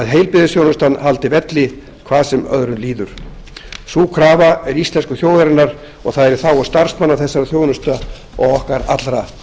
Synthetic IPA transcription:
ðɦejlpɪðɪsjoːwnʏst̪anɦalt̪ɪvɛt̪lɪ | kʰvaːðsɛmœ̰ðɾʏnliːðʏɾ̥ | suːkʰɾaːvaɛɾist̪lɛnskʏθjoːwðaɾɪnːaɾ | ɔ̰ɣθaðɛɾɪ̥θawɔst̪aɾ̥smanːaθɛsːaɾaθjoːwnʏst̪a | ɔ̰ɣɔhkaɾa̰t̪lɾa

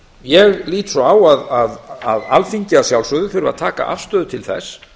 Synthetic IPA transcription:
jɛɣliːt̪sɔaːwaðaðaðalfiɲcɪasjawlsʏðʏfʏɾʏva̰ðt̪ʰaːka̰ʔa̰fst̪œːðʏt̪ʰɪlθɛ̰s

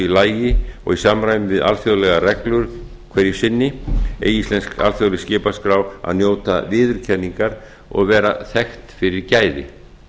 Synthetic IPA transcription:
ilaːjjɪɔ̰ɣisamɾajɪvɪða̰lfjoðlɛɣarɛklʏɾ̥ | kʰvɛɾjɪsɪnːɪḛːjislɛnska̰lfjoðlɪscɪːpaskɾaːwa̰ðnjoːwt̪a̰vɪːðʏɾ̥cʰɛnːiŋkaɾ | ɔ̰ɣvɛːɾa̰θɛxt̪fɪɾɪɾcaːjðɪ̰

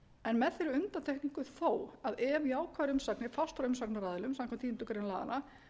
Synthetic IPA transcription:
ɛnmɛðθɛɾʏʏnt̪ant̪ʰɛhkniŋkʏθoːwaðɛviaːwkʰvaɾʏmsaknɪfast̪ɾʏmsaknaɾaːðɪlʏmsãmkʰɛmnt̪ʰiːnt̪ukaɾɛnla̰ːa̰na

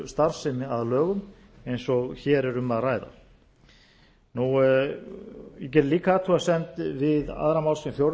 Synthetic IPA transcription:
st̪aɾ̥sɪmɪaðlœːɣʏm | ejnsɔɣçɛːɾɛɾʏmaðraːjða̰ | nu | jɛc̬ɛɾliːkaaːt̪ʰuasɛmt̪vɪða̰ðɾamawlsifjowɾ

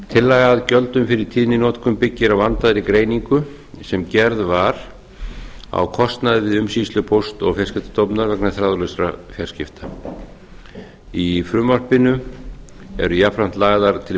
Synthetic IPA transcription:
t̪ʰɪlːaɣaðcœlt̪ʏmfɪɾɪɾ̥t̪ʰiːðnɪnɔːt̪kʏmpɪcːɪɾawvant̪aðɾikɾeːjniŋkʏ | sɛmcɛɾðvaɾ̥ | a̰wkʰɔst̪naðvɪðʏmsislʏpʰowst̪ɔɣfjɛɾ̥scɪft̪ḁt̪ɔwpnaɾvɛknaθɾaːðʏlœsɾafjɛrscɪft̪ḁ | ifɾʏmːar̥pɪnʏ | ɛ̰ɾʏjapʰɾan̥t̪laːɣðaɾ̥t̪ʰɪl

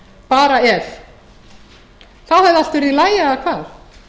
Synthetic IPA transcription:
paːɾaɛɾ | θaðhaðal̥t̪ʏɾilaːjaːkʰvaːð̥

